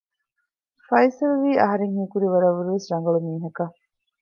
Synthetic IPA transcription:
fɐjsɐlʋiːʔɐɦɐɾeŋhiːkuɾiʋɐɾɐʋːuɾiʋesɾɐŋɡɐɭumiːɦɐkɐ

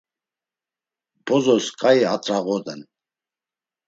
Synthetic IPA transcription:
b̥ɔzɔskʼaiat͡s̪ʼɾaɣɔd̪ɛn

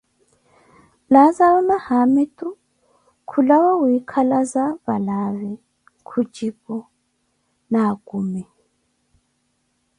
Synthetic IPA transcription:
lazaβɔnahamɛtʼu | kʰulawawikʰalazaβalaβɛ | kʰud͡ʒipɔ | naɡ̥umɛ

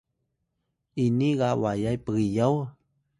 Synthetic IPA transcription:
iniɣawajajpijəw

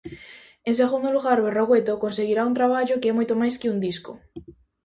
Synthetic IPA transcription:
enseɣ̞und̪oluɣaɾβeroɣwet̪okonseɣ̞iɾaunt̪ɾaβ̞aʎokemojt̪omajskeund̪isko

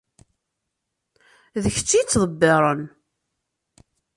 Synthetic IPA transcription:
ðəç̥t͡sːit͡sːðˤəbːeɾˤən

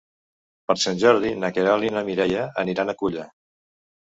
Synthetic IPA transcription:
pəɾsanʲʒɔɾð̞inəkeɾalinəmiɾɛjəəniɾanəkuʎə

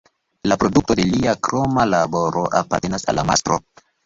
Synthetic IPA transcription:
lapɾo̞duk̚to̞deliakɾomalabo̞ɾʔo̞ʔa̰pa̰ɾte̞nasa̰lːa̰ma̰stɾo̰

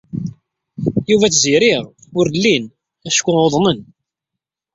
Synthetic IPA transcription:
juvæt͡sːziɾɪʁʊɾlːin | æʃkʷːʊoðˤnən

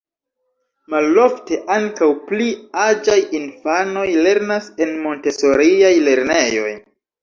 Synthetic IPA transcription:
malo̞fte̞ʔaŋkawpliad͡ʒajinfano̞jle̞ɾnase̞nmo̞nte̞so̞ɾiajle̞ɾne̞jo̞̰j

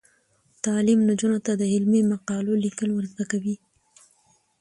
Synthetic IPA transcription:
t̪ɑlimnad͡ʒunot̪ad̪əhɪlmemaqɑlolikəlwəɾzəkawi

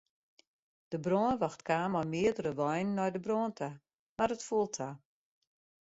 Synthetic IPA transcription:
d̥əbroːnʋɔxtkaːmɔjmɪədərəʋɔjnːɔjdəbroəntʰa | marətfuəlˠtʰa

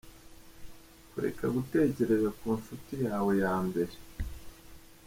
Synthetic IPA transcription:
kuɾḛkaɡute̞ːce̞ɾe̞zakuːnʃutijaːwe̞jaːmbe̞ɾe

